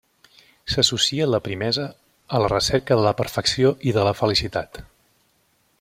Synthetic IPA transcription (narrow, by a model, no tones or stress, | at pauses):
səsusiələpɾimɛzəː | lərəsɛɾkəðələpəɾfəksioʔiðələfəlisit̪at̪